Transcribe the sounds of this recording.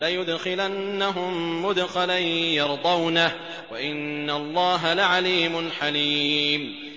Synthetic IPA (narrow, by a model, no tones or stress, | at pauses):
lajʊd̪xɪlanːaɦʊmːʊd̪xalajjɑɾˤd̪ˤɑwnah | waʔɪnːalˤːɑːɦalaʕaliːmʊnħaliːm